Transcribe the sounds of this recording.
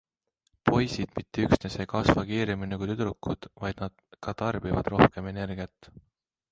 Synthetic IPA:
po̞jsid̪̥mit̪ʰːeyksnese̞kɑsvɑkiːɾeminekujt̪yd̪̥ɾukːˑud̪̥vɑjd̪̥nɑd̪̥̚kɑt̪ɑrb̥ivɑ̰d̪̥ro̞hke̞me̞ne̞rɡ̥iɑt̪ːˑ

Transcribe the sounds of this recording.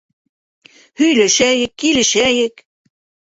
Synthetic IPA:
hɵ̆jlæʃæjɘ̆kːilɘ̆ʃæjɘ̆k

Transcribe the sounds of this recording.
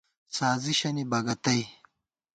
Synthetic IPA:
saːziɕɐnibɐɡɐt̪ɐj

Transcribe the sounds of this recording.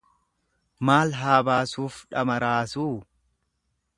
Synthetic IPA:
maːlɦaːbaːsuːfᶑɐmɐɾaːsuː

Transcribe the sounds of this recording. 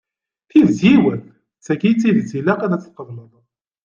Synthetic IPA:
θiðzjiwəθ | t͡sːækit͡sːiðt͡sːilæqænæt͡sːθqəvləðˤ

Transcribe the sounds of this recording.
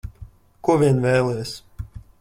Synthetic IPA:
kuɔvʲiɛnvɛːlˠɛjs

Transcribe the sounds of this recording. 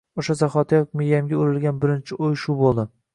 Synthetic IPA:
oʃazaχɒt̪ʰajɒk̚ʲmejːamɡʲaoɾɪlɡʲanbɪɾɪnt͡ʃʰɪʔojʃʊbolˠd̪ɪ

